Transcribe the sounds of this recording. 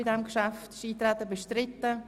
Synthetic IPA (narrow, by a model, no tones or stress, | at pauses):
ɪdɛmkʃaftʃiːt̪ɾɛt̪ːəbeʃtɾɪt̪ːə